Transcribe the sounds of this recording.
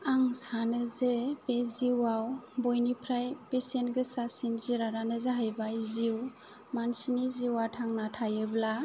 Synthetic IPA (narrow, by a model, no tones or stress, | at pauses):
aŋsanɯzepeziwawbɔjnipʰɾajpesentɡɯsasinziɾaɾanɯzeɦajbajziw | mansiniziwatʰaŋnatʰajɯbla